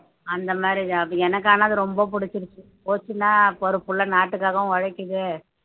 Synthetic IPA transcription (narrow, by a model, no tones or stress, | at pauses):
ɐnd̪ɐmaːdɾiɐɛnɐk̬ːaːnaːðɯɾɔmbɐpʊɽɪt͡ʃːɪɾɯt͡ʃːɯpoːt͡ʃːɯnːaːpɔɾɯpːɯɭːɐnaːʈːɯkːaːɣɐʊ̃ʋɐɻɐkːɯðɯ